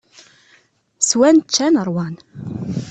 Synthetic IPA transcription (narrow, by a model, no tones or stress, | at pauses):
swænt͡ʃːænəɾˤwɑn